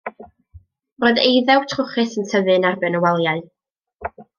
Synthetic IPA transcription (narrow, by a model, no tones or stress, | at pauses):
roɨðejðɛwtʰrʊχɨθənsʰəðɨnarbɨnəwalˠjaɨ